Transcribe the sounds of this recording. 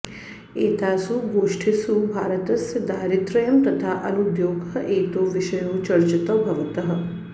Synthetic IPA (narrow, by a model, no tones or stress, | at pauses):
eːt̪aːsuɡoːʂʈʰisubʱaːɾət̪ɐsd̪aːɾit̪ɾəjɐmt̪ɐt̪ʰaʔɐnud̪joːɡʱəʔeːt̪oʋiʃəjoːt͡ʃɐɾt͡ʃɐt̪əbʱɐʋɐt̪ɐɦə̆